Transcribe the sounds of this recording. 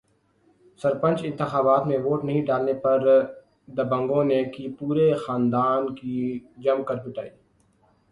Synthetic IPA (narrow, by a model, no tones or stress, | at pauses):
sɐɾpə̃nt͡ʃɪ̃nt̪ɪxaːbaːt̪mẽʋoːʈnɐɦĩɖaːlnepɐɾ | d̪ɐbə̃ŋɡõnekipuːɾexaːnd̪aːnkid͡ʒɐmkɐɾd͡ʒʊʈaːiː